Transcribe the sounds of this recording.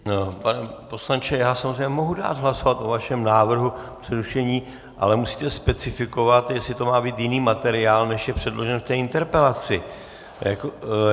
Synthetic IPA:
panɛpo̞slaɲt͡ʃɛjaːsamozrejɲɛmo̞ɦuda̰ːd̪ɦlaso̞vat̪ʔo̞vaʃɛmnaːvr̩ɦupr̥ɛɾuʃɛɲiː | ʔa̰lɛmusi̥ːt̪ɛspɛt͡sɪfɪko̞vat̪jɛslɪt̪o̞maːbiːt̪jɪniːmat̪ɛɾɪaːlnɛʃjɛpr̝̥ɛdlo̞ʒɛnft̪ɛːɪnt̪ɛɾpɛlat͡sɪ | jako

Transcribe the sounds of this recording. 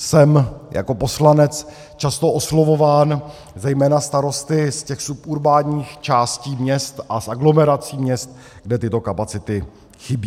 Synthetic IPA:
sɛmjʔa̰ko̞po̞slanɛt͡s | t͡ʃast̪o̞ʔoslo̞vo̞vaːn | zɛjmɛːnast̪aɾo̞st̪ɪscɛxsupʔuɾbaːɲiːxt͡ʃaːsciːmɲɛst̪ʔasaɡlo̞mɛɾat͡siːmɲɛst̪ | ɡdɛt̪ɪt̪o̞kapat͡sɪt̪ɪ | xɪbiː

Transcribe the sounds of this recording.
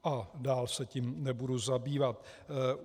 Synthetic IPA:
ʔadaːlsɛcimnɛbuduzabiːvat̪

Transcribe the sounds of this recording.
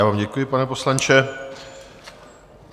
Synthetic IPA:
aːvaːmɟɛkujɪpanɛpo̞slant͡ʃɛ

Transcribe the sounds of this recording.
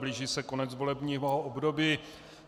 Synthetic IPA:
bliːʒiːsɛko̞nɛt͡svolɛbɲiːɦoʔobdobiː

